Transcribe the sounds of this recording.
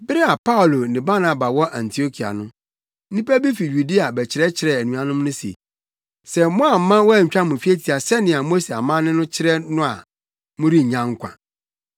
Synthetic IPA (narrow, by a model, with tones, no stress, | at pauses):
bɪ˦ɾɪ˦a˨pa˦ʊ˨lo˨nɪ̃˨ba˦na˨ba˨wɔ˦ʔã˨ntʰi˨o˦kʰi˨a̰˨nʊ̃˦ | nĩ˦pɛ˦bi˦fi˨ju˨di˦a˨bɛ˨t͡ɕʰɪ˨ɾɛ˦t͡ɕʰɪ˨ɾɛ˨æ˨nũ˨a˨nʊ̃˦mnʊ̃˦si˨ḛ˨ | sɛ˨mɔ̃˦a˨m̩˦mːã˦wɔ˦æ˦˨ɲ̩˨t͡ɕᶣa˦mʊ̃˨fi˦e˦tʰi˨a˨sɛ˦nɪ̃˨a˨mo˦se˨a˨mã˦nɪ̃˦nʊ̃˦t͡ɕʰɪ˦ɾɛ˦nʊ̃˦a˨ | mʊ̃˦ɾi˦ɲ˨ɲã˦ŋ˦kʰʷã̰˨